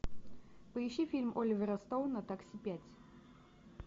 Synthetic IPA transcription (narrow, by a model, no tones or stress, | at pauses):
pəɪɕːifʲilʲmʔolʲɪvʲɪɾɐst̪onɐt̪aksʲɪpʲætʲ